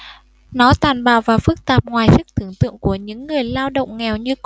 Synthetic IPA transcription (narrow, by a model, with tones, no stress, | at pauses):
nɔ˨˦t̪aː˨˩nɓa̰ː˧˨wvaː˨˩fɨ˦˥k̚t̪aː˨˩p̚ŋwaː˨˩jsɨ˦˥k̚t̪ʰɨ˧˩əŋt̪ɨ̰˧˨əŋku˧˩əɲɨ̰˧˥ŋːɨ˨˩əjlaː˧wɗə̰˧˨wŋ͡mŋɛ˨˩wɲɨ˧